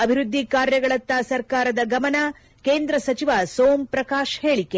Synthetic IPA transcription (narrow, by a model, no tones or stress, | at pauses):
ɐbʱiɾud̪ʱːikaːɾjɐɡɐɭɐt̪ːaːsɐɾkaːɾɐd̪ɐɡɐmɐna | keːnd̪ɾɐsɐt͡ʃiʋasoːmpɾɐkaːʃheːɭikːe